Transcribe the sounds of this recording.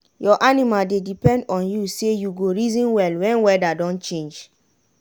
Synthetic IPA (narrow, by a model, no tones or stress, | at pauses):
jɔʔanimaldedipɛ̃ndɔ̃njusejuɡoɹizɔ̃nwɛlwɛ̃nwɛdadɔ̃nt͡ʃẽnd͡ʒ